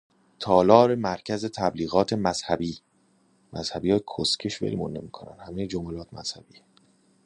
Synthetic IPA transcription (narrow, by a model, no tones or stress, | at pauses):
t̪ʰɒːlɒːɾe̞mæɾcʰæzet̪ʰæbliːɣɒːt̪ʰe̞mæz̥hæbiː | mʔæz̥hæbiːjɒːkʰoscʰeʃvḛlmunːḛmiːkʰonæ̰nhæmejed͡ʒomælɒːt̪ʰmæ̰z̥hæb̥iː